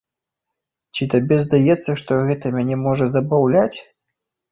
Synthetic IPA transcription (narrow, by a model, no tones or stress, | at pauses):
t͡ɕʲit̪abʲɛzd̪ajɛt̪sːɐʂt̪ɔɣɛt̪ɐmʲanʲɛmɔʐɐzɐbawlʲat͡sʲ